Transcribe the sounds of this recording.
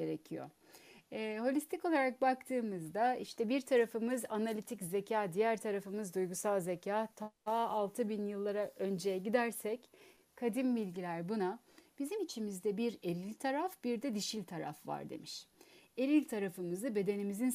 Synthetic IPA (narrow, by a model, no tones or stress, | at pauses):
eɾecʰijo̰ | ɦo̞lʲist̪ʰiko̞lˠaɾak̚bakt̪ʰɯːmɯzd̪aiʃt̪ʰɛbiɾt̪ʰaɾafɯmɯzanalʲit̪ʰicze̞cʰaːd̪ijæɾt̪ʰaɾafɯmɯzd̪ujɡusalˠzecʰaːt̪ʰaalˠt̪ʰɯbinjɯlˠːaɾaʔø̞nd͡ʒejɛɟid̪æɾsɛc | kʰad̪imbilʲɟilʲæɾbuna | b̥izimit͡ʃʰimizd̪ɛbiɾe̞ɾilʲt̪ʰaɾafbiɾd̪ɛd̪iʃilʲt̪ʰaɾa̰fva̰ɾd̪e̞̰miʃe̞lʲilʲt̪ʰaɾafɯmɯzɯbe̞d̪e̞nimizin